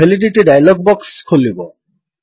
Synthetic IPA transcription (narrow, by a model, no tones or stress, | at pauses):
eliʈ̬iʈiɖajlɔɡ̚bɔkskʰolibo